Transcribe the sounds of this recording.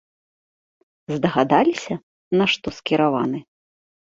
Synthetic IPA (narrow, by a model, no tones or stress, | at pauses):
zd̪ɐɣad̪alʲisʲɐ | naʂt̪ɔskʲiɾavanɨ